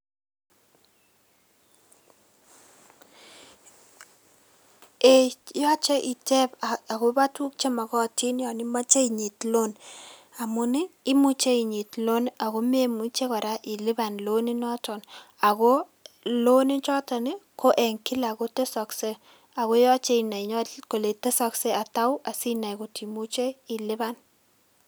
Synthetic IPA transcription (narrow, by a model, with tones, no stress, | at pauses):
e˨jɔ˦t͡ʃe˦ʔi˨tɛ˦ba˨ɡo˦ba˦twu˦k̚t͡ʃe˦ma˨kɔ˦˨ti˦njɔ˨nɪ˦ma˦t͡ʃe˦i˨ɲi˨tlo˦n | a˨mʊ˦nɪ˦i˦mu˦t͡ʃe˦i˨ɲi˨tlo˦na˨ɣo˦me˦mu˦t͡ʃe˦kɔ˨ɾa˦ʔi˨lɪ˦ba˨nlo˦ni˦nɔ˦tɔ˨na˨ɣo˦ | lo˦ni˦t͡ʃɔ˦ta˨ni˦kʰo˦ʔe˨ŋki˦la˨ko˦te˦sɔ˨kse˦ | a˨ɣo˦jɔ˦t͡ʃe˦i˨na˨i˨ɲɔ˦ko˨le˨te˦sɔ˦kse˦a˨ta˦wʔa˨si˦na˨jko˨ti˨mu˦t͡ʃe˦i˨lɪ˦ba˦n